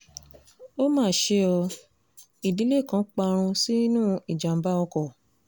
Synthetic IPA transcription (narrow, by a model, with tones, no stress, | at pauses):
o˦mãː˦˨ʃe˧ɔ˧ | i˨di˨˦le˦˨kã˨˦k͡pa˧ɾ̃ũ˧si˦nũː˦i˨d͡ʒa˨m̩˨ba˦ɔ˧kɔ˨